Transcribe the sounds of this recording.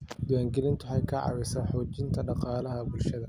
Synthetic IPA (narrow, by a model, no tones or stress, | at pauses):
d̪ʊjaːŋɡɛlɪnt̪ʰʊħɛjkʰɐʕɑ̰wɛsaːħɔːt͡ʃɪnt̪ʰɐɖɑqɑːlɐɦɐbʊlʃɐðɐ